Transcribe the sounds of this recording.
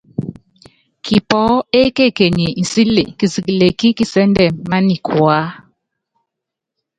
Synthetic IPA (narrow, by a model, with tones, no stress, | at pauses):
ki˨pɔ˦e˦ke˦˨ke˨ɲi˨n̩˨si˦le˨ki˨si˨ki˨le˨ki˦ki˨sɛ˦ndɛ˨mma˦ni˨kʰwa˦